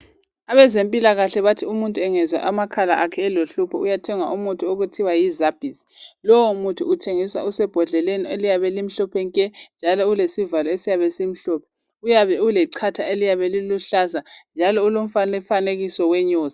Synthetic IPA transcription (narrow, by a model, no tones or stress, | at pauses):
aβɛzempʼilaɣaɬɛβatʰiumuntʼuɛŋɛza̰ʔamakʰala̰ʔakʰɛːloɬupʰɔʔujatʰɛŋa̰ʔumutʰʼuoɣutʰiwajizab̥ʱisi̥lɔwmutʰṵːtʰeŋisa̰usɛb̥ʱɔɮɛlenielijaβɛlim̩ɬɔpʰɛŋkʼɛnd͡ʒʱalɔulesivalɔesijaβɛsim̩ɬɔːpʰɛ̥ | ujaβɛulɛǀʰatʰaelijaβɛliluɬazand͡ʒʱalɔulom̩fanefaneɣisɔwɛɲɔːza